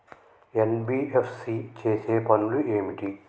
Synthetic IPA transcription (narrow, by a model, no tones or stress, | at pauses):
enbiːepʰsit͡ʃeːseːpɐnuluʔeːmiʈi